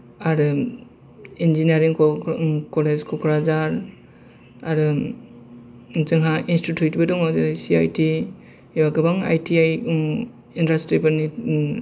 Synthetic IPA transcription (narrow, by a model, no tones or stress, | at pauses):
aɾɯ | end͡ʒinaɾiŋ | kɔled͡ʒkʰɔkʰɾazaɾ | aɾɯ | zɯŋɦaʔinstitʰjutbɯdɔŋawzaɾajsia̰jti | ibaɡɯbaŋa̰jtʰiaj | inɾastɾibɯni